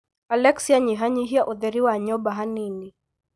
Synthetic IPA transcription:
alɛksiaɲiɦaɲiɦiaʔɔðɛɾiwaɲɔbaɦanini

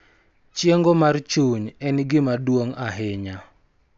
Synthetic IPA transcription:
t͡ʃjeŋɡomart͡ʃuɲɛnɡɪmadwoŋaɦɪɲa

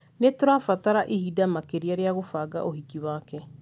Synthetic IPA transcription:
netoɾafataɾaʔihidamakeɾiaɾeaɣofaːɡa̰ʔohikiwaːkɛ

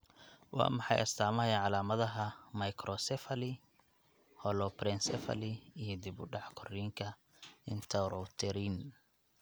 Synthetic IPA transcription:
wɑ̰ːmɑħɑ̰jɐ̰st̪ʰaːmɐjaʕɑlaːmɐðɐɦɐmɐjkʰɾɔsɛfɐlɪ | hɔlɔpɾɛnsɛfɐ̰lɪijɔd̪ɪbʊɖɑʕkʰɔriːŋkʰɐ | ɪnt̪ʰɐɾɔt̪ʰɛɾiːn

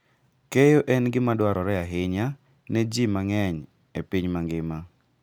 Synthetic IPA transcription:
kejoʔɛnɡɪmadwaɾɔɾɛaɦɪɲa | nɛd͡ʒimaŋɛɲ | epiɲmaŋɡɪma

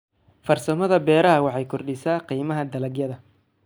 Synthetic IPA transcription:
fɐrsɐmɐðɐbɛːɾɐɦɐwɑħɑjkʰɔrɖɪsaːqiːmɐɦɐd̪ɐlɐɡjɐðɐ

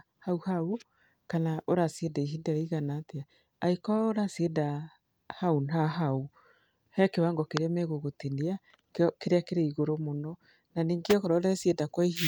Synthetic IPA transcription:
hauhau | kanaʔoɾasedaiɦindaɾiɣanateaː | ikɔaoɾasieda | haunaɦau | hɛkewaŋɡɔkeɾeamɛɣoɣotenia | keɾeakeɾeiɣoɾomonɔ | naniːŋɡeɔkɔɾɔɾɛsiedakwaihi

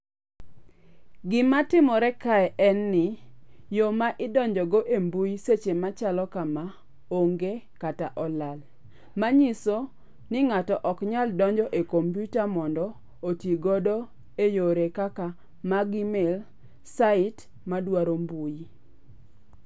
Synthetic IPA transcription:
ɡɪmatɪmɔɾɛkaɛʔɛnːɪjomaʔɪdɔɲd͡ʒɔɡɔʔembujiset͡ʃemat͡ʃalɔkama | oŋɡe | kataʔɔlal | maɲiso | nɪŋatɔʔɔkɲaldɔɲd͡ʒɔʔekompjutamɔndɔ | otjiɡɔdɔ | ejoɾekaka | maɡimel | saɪt | madwaɾombuji

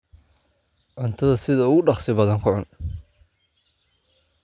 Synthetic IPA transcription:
ʕʊnt̪ʰɐðɐsɪðɐʊɣʊɖɑχsɪbɐðɐŋkʰʊʕʊn

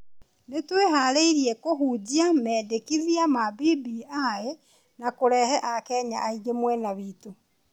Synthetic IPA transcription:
netweɦaɾeiɾiɛkoɦuːd͡ʑiamɛːdekiðiamabibiae | nakoɾɛhɛʔakɛɲa̰ʔaiɡemwɛnaβiːto

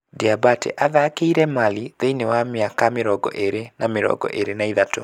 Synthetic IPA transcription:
diabatɛ̰ʔaðakeiɾɛmaliðeinewamjakameɾɔɡɔ̰ʔeɾenameɾɔ̰ɡɔ̰ʔeɾenaiðato

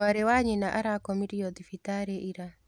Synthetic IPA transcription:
aɾewaɲenaʔaɾakɔmiɾiɔd̪ifitaɾeʔiɾa

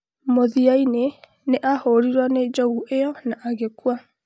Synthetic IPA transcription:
moðiaine | neʔahoɾiɾwaned͡ʒɔɣuʔejɔnaʔaɣekwa

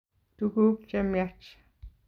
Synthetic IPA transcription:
t̪uɣuːk̚t͡ʃamiat͡ʃ

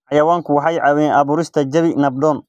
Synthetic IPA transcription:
ħɑjɐwaːŋkʰʊwɑħɑjʕɑwiːnɑβuːɾɪst̪ʰɐd͡ʒɐβinɐb̚dɔːn

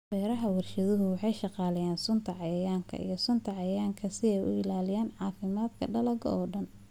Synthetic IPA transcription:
bɛːɾɐɦɐwɐrʃɐðʊɦʊwɑħɑjʃɑqɑːlɐjaːnsʊnt̪ʰɐʕɑjɐjaːŋkʰɐ̰ḭjɞsʊnt̪ʰɐʕɑjɐjaːŋkʰɐsɪɛjʊ̰ɪlaːlɪjaːnʕɑːfɪmaːd̪kʰɐɖɐlɐɡ̰ɔːɖɐn

